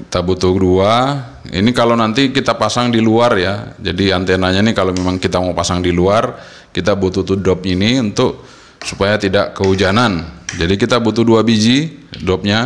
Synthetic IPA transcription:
kit̪abut̪udua | ḭnikalownant̪ikit̪apasaŋdiluarjad͡ʒadiant̪enaɲanikalomemaŋkit̪amapasaŋdiluar | kit̪abut̪ut̪udɔp̚iniunt̪ʊk̚ | supajat̪idaʔkəud͡ʒanand͡ʒadikit̪abut̪uduabid͡ʒidɔp̚ɲa

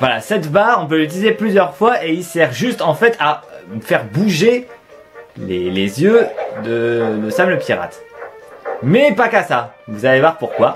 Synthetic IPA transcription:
vwalasɛt̪baʁɔ̃p̬ølyt̪ilizeplyzjœʁfwaʔeilsɛʁʒyst̪ɑ̃fɛt̪ʰafɛʁbuʒe | lelezjød̪ələsabləpʰʲiʁa̰t̪ | mɛpakasavuzalevwaʁpuʁkwa

